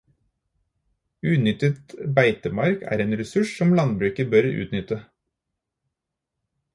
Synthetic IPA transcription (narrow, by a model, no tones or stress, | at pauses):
ʉːnʏt̪ət̪bæɪt̪əmɑɾkæ̰ːɾeːnɾɛsʉʃsɔmlɑnbɾʉːkəbœɾʉ̰ːt̪nʏt̪ə